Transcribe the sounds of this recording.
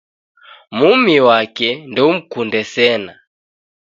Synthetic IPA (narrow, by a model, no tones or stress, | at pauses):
mumiwakɛndɛum̩kundɛsɛna